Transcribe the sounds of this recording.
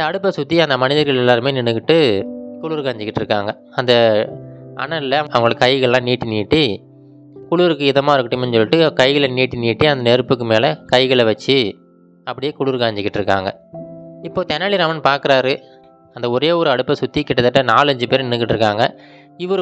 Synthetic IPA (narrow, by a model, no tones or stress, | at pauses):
ɐnd̪ɐːɽɯpːɐsʊt̪ːiɐnd̪ɐmɐnɪðɐɾɣɐɭɛlːaːɾɯmeːnɪnɯkːɪʈːɯkʊɭʊːɾkaːɲd͡ʒɪkːɪʈːɾɯkːaːŋɡɐ | ɐnd̪ɐ | ɐ̰ɳɐɪlɐɐɐŋɡɐɭɯkːɐɪɣɐɭlãːniːʈːiniːʈːi | kʊɭuɾɯkːɯɪðɐmaːɾɯkːɯʈːɯmɛnsɔlːɪʈːɯkɐɪɣɐɭniːʈːiniːʈːiɐnd̪ɐnɛɾɯpːɯkːɯmeːlɐkɐɪɣɐɭʋɐt͡ʃːɯ | ɐpːɐɽɪjeːkʊɭuːɾkaːɲd͡ʒɪkːɪʈːɾɯkːa̰ːŋɡɐɪpːoːt̪ɐnːaːɭɪɾaːmɐnpaːɾkɯɾaːɾɯ | ɐnd̪ɐɔɾeːɔɾɯɐɽɯpːɐsʊt̪ːikːɪʈːɐt̪ːɐʈːɐnaːlɐɲd͡ʒɯpeːɾnɪnɯk̬ːɪʈːɾɯkːaːŋɡɐ | ɪʋɐɾɯ